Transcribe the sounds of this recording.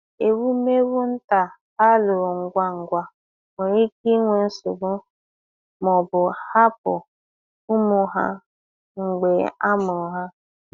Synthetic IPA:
e˨wu˦me˦wʊ˦n̩˦ta˨ | a˦lʊ˨ŋ̩˨ɡʷa˦ŋ̩˨ɡʷa˦ | me˨ɾi˦ki˦ŋʷe˨n̩˦sʊ˨ɡ͡bʊ˦ | mɔ˨bʊ˨ha˦p̚ʊ̰˨ | ʊ˦mʊ˨ɦa̰˦ | ŋ͡m̩˨ɡ͡be˨a˦mʊ˨ɦa˦

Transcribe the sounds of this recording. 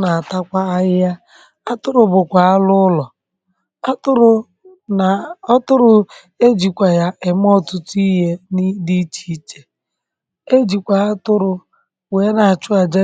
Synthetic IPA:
na˨a˨ta˦kʷa˦a˦jɪ˦ja˦ | a˦tʊ˦ɾʊ˨bʊ˨kʷa˨a˦lʊ˦lɔ˨˦ | tʊ˦ɾʊ˨ | ɔ˦tʊ˦ɾʊ˨ | e˦d͡ʒi˨kʷa˨ja˦ʔe˨m˦ɔ˦tʊ˦ti˦ɦe˦ni˦di˦t͡ʃi̥˦t͡ʃe̥˨ | e˦d͡ʒi˨kʷa˨a˦tʊ˦ɾʊ˨ | weː˨˦na˨a˨t͡ʃʊ˦a˨d͡ʒe˦

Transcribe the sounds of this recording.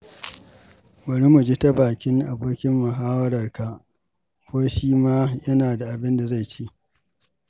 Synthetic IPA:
bɐ˨ɾi˦mu˨d͡ʒi˦ta˦baː˨kʲɪ˦ŋʔa˨boː˦kʲɪ˦mːʊ˨ɦaː˦wɐ˦ɾɐ˨rka˨ʔ | kʷoː˦ʃiː˦maː˦jɐ˦naː˨da˨ʔa˨bɪ˦nda˨za˦jt͡ʃi˦ʔ

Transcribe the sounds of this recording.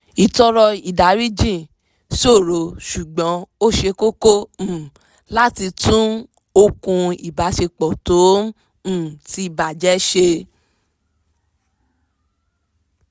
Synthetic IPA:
i˨tɔ˧ɾɔ˧i˨da˨˦ɾi˦d͡ʒĩ˦˨ | so˦˨ɾo˨˦ʃu˨ɡ͡bɔ̃˨˦o˦ʃe˧ko˦kõ˦˨ | la˦ti˧tũ˦ | o˧kũ˧i˨ba˨˦ʃe˧k͡pɔ˨tõ˨˦˨ | ti˧i˦˨ba˨d͡ʒɛ˨˦ʃe˧

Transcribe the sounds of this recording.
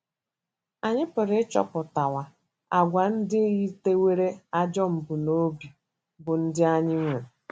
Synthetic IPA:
a˨ɲɪ˦pʊ˨ɾɪ˦t͡ʃɔ̰˦pʊ˨ta˨wa˨ | a˨ɡʷa˨n̩˦dɪ˦ɣi˦te˦we˦ɾe˦a˦d͡ʒɔ˦m̩˨bʊ˨no˦bi˨ | bʊ˨n̩˦dɪ˦a˦ɲɪ˦ŋʷe˨

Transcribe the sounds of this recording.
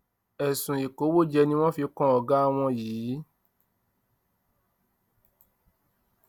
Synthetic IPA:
ɛ˨sũ˨i˨ko˨˦wo˦d͡ʒɛ˧nĩ˦w̃ɔ̃˦fi˧˦kɔ̃˦ɔ˨ɡa˦˧w̃ɔ̃˧jiː˨˦

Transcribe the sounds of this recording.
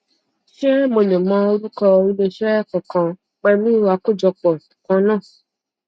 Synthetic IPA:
ʃɛ˦mo˧˨lẽ˨mɔ̃˨˦o˧ɾu˦kɔ˧i˦lẽ˧ʃɛ˦˨kɔ̃˨kã˧ | k͡pɛ˧mĩ˦wa˧˦ko˦˨d͡ʒɔ˧k͡pɔ˨kã˧˦nãː˦˨

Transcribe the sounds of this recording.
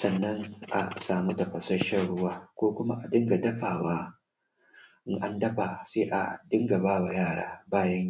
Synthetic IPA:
sɐ˨nːɐ˦ŋʔa̰˨saː˨mu˦dɐ˨ɸɐ˨sɐ˦ʃɐ˦˨ɽʊ˦waː˦kʷoː˦kʷʊ˦ma˦ʔa˨dɪ˦ŋɡa˨dɐ˦ɸaː˨waː˦ | ʔɪ˦ŋʔa˦ndɐ˦ɸaː˨seː˦ʔa̰˨dɪ˦ŋɡa˨baː˦wa˨jaː˦˨ɽa̰ː˦baː˦jɐ˦ɲ˦˨

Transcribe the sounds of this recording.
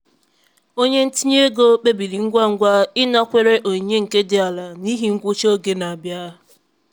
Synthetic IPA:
o˦ɲe˦n̩˦ti˦ɲ˦e˦ɡo˦k͡pe˦bi˨li˨ŋ̩˦ɡʷa˦ŋ̩˦ɡʷa˦ɪ˦nɔ˦kʷe˦ɾe˦ʔo˨ɲe˦ŋ̩˨ke˦dɪ˦a˨la˨ni˦ɦi˨˦ŋ̩˦ɡʷʊ˦t͡ʃo˦ɡe˦na˨a˨bja˦

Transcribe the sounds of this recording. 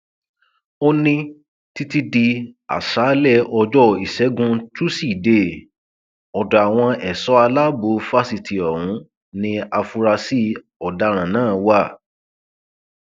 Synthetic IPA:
o˧nĩ˧ | ti˧ti˧di˧a̰˨ʃaː˨˦lɛ˦˨ɔ˧d͡ʒɔ˦i˨ʃɛ˨˦ɡũ˧tu˦si˦˨de˦˨ | ɔ˨da˨a˨w̃ɔ̃˧ɛ˨sɔ˨˦a˧la˦bo˨˧˦fa˧si˧ti˨ɔ˨ɾũ˨˦ | nĩ˧a˧fu˧ɾa˧si˦ | ɔ˨da˧ɾ̃ã˨nãː˦˨˦wa˦˨

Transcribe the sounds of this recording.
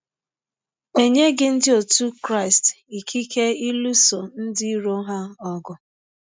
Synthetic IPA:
e˨ɲe˦ɡɪ˦n̩˦dɪ˦o˨tu˦kɾa˦ɪ˨st | i˨kʰi˦ke˦i˦lu˦so˨n̩˦dɪ˦ɾo˦ɦa˦ɔ˦ɡʊ˨

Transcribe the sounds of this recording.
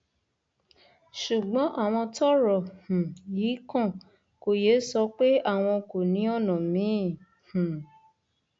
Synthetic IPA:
ʃu˨ɡ͡bɔ̃˨˦ʔa˦˨w̃ɔ̃˧tɔ˦ɾɔ˨hũ˨jiː˨˦kɔ̃˦˨ | ko˨je˨˦sɔ˧˦k͡pe˦a˦˨w̃ɔ̃˧ko˨nĩ˨˦ɔ˦˨nɔ̃˨mĩ˨˦˨ | hũ˨

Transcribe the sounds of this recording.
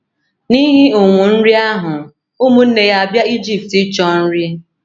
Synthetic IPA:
ni˦ɦi˦ʊ˨ŋʷʊ˨n̩˦ɾi˦a˦ɦʊ˨ | u˦mu˦n̩˦ne˨ja˦a˨bja˦i˦d͡ʒi˨p̚ti˦t͡ʃɔ˦n̩˦ɾɪ˦

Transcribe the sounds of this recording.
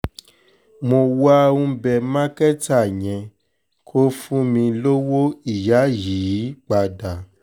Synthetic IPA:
mo˧wa˦ũ˧bɛ˧˨mã˦kɛ˦ta˦˨ɲ̃ɛ̃˨ | kʰo˦fũ˦mĩ˧lo˦wo˦i˨ja˨˦ji˨˦ji˨˦k͡pa˧da˨

